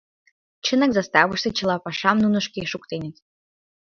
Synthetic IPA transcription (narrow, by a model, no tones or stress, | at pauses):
t͡ɕənə̆kzɑst̪ɑβəʃt̪ĕt͡ɕə̆lˠɑpɑʃɑmnunə̆ʃkeʃukt̪enʲə̆t̪